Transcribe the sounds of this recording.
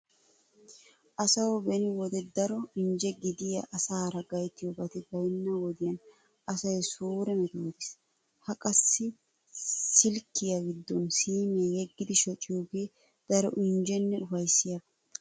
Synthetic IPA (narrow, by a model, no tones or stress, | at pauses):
ʔɐsɐwbɛnɪwɔd̪ɛd̪ɐɾɔɪɲd͡ʒɛɡɪd̪ɪjɐʔɐsaːɾɐɡɐjt̪ːɪjɔbɐt̪ɪbɐjnːɐwɔd̪ɪjɐn | ɐsɐjsuːɾɛmɛt̪uːd̪ɪs | hɐkʼɐsːɪ | sɪlkːɪjaɡɪd̪ːɔnsiːmeːjɛɡːɪd̪ɪʃɔt͡ʃʼːɪjuɡe̞ː | d̪̥ɐɾɔ̰ʔɪnd͡ʒɛnːɛʊfɐjsːɪjɐb̪